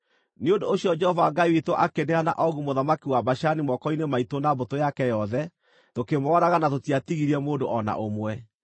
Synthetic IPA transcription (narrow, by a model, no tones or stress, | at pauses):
neondoːɕiɔd͡ʒɛhɔvaːɡaiwitwɔʔakeneana̰ʔɔɣumoðamakiwabaʃanimɔkɔinemaitonabotojakɛjɔðɛ | tokemɔɾaɣanatotiatiɣiɾiɛmoːndoʔɔna̰ʔomwɛ